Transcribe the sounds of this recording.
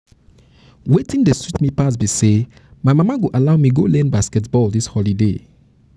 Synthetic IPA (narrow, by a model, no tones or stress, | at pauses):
wetĩndestitmipas̬bise | maɪmamaɡoʔalaʊmiɡolɛ̃nbaskɛt̬bɔldishɔlidḛ